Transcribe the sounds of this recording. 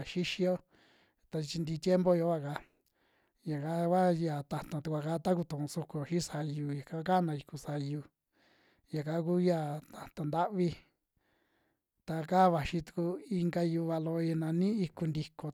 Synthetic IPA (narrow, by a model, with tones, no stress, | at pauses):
ʃi˦ʃi˧jo˦ | t̪a˧t͡ʃi˧nd̪iː˧t̪je˦mbo˦jo˧˦βa˦˧˨ka˧ | ja˨ka˦ka˦ja˨t̪a˧˨t̪ã˨t̪u˧kʷa˧˨ka˦t̪a˦ku˧t̪ũ˨ʔsu˧ku˧˨ʃĩ˦sa˧ju˧ja˨ka˧ka˦nã˧i˧ku˧sa˧ju˧ | ja˨ka˦k̬u˦ja˦˧˨t̪a˧˨t̪ã˨nd̪a˦ʔβi˧ | t̪a˧ka˦βa˨ʃĩ˧t̪u̥˧ku˧i˧ŋɡa˧ju˧βa˧lo˧i˧nã˧nĩ˦i˧ku˧nd̪i˧ko˨